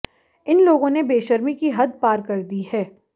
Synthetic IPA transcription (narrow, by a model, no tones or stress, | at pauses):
ɪnloːɡõnebeːʃɐɾmikiɦɐd̪̚paːɾkɐɾd̪iɦɛː